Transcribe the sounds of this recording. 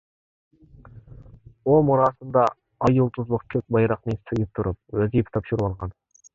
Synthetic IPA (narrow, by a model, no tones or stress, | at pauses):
omuɾɑsənd̪ɑ | ɑjulˠt̪ʰʊzlˠəqkʲʰøk̚ʲbɑjɾɑqnesɨɡʲɪp̚t̪ʰʊɾʊp̚wæzipʰt̪ʰɑpʃuɾuwɑlˠʁɑn